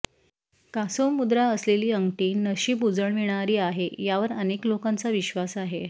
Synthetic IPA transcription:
kasomːud̪ɾaəsleliːəŋɡʈiːnəɕiːbud͡zəɳʋiɽ̃aɾiːaɦejaʋəɾəneklokãnt͡saʋiɕʋasaɦe

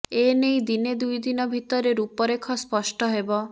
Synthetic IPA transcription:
enejd̪ined̪ujd̪inɔbʱit̪ɔɾeɾupɔɾekʰɔspɔʃʈɔɦebɔ

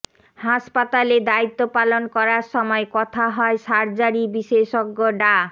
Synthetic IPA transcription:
haʃpat̪aled̪ait̪ːopalonkɔɾaɾʃɔmɔekɔt̪ʰaɦɔeʃaɾd͡ʑaɾibiʃeʃoɡːoɖa

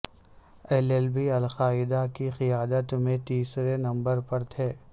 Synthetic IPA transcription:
ɛlɛlbiɐlxaːɪd̪akixɪjaːd̪ət̪mẽt̪iːsɾenɐ̃mbəɾpɐɾt̪ʰeː

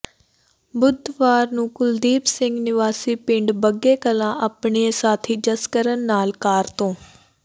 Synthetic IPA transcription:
bʊd̪ʱʋaːɾnũːkʊld̪iːpsɪ̃ŋɡnɪʋaːsiːpɪ̃ɳɖbəɡeːkəlãːʔapɳeesaːt̪ʰiːd͡ʒəskəɾənːaːlkaːɾt̪õː

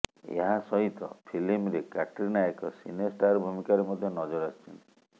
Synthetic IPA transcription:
ḛɦasɔɦit̪ɔ̰pʰilimɾekaʈɾinaekɔsinesʈaɾbʱumikaɾemɔd̪ʱjɔnɔd͡ʒɔɾast͡ʃʰɔnt̪i̥

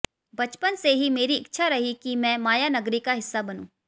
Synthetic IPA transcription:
bɐt͡ʃpənseɦimeːɾiɪkːʃʰaɾɐɦikimɛ̃ːmaːjanɐɡɾikaɦɪsːabɐnũː

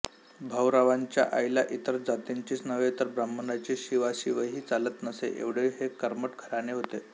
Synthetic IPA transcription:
bʱəwɾaʋaɲt͡ɕja̰ʔajlaʔit̪əɾd͡zat̪iɲt͡ɕiːsnəʋet̪əɾbɾəmːənat͡ɕiɕiʋaɕiʋəɦiːt͡salət̪nəsḛʔḛʋɽ̤eɦekəɾməʈkʰəɾaneɦot̪e

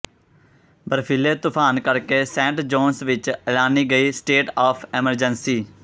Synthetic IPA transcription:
bəɾfʰɪleːt̪ʊpʰaːnkəɾkeːsɛ̃ːɳʈd͡ʒɔːnsʋɪt͡ʃəlaːniːɡəiːsʈeːʈaːpʰɛməɾd͡ʒənsiː

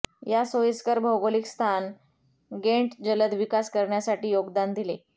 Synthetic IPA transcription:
jasojəskəɾbʱəwɡolikst̪ʰan | ɡeɳʈd͡ʑələd̪ʋikaskəɾɳjasaʈiːjoɡd̪and̪ile

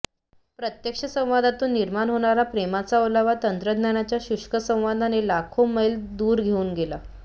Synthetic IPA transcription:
pɾət̪jəkʂəsə̃ʋad̪at̪uːnːiɾmaɳɦoɳ̃aɾapɾemat͡saələʋat̪ənt̪ɾəd̪ʱnjaɽ̃at͡ɕjaɕuʂkəsə̃w̃ʋad̪ʱanelakʰoməild̪uːɾɡʱeuːnɡela

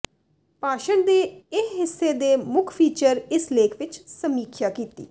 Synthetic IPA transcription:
paːʃəɳd̪eːɪsɦɪsːeːd̪eːmʊkʰpʰiːt͡ʃəɾɪsleːkʰʋɪt͡ʃsəmiːkʰjaːkiːt̪ḭː

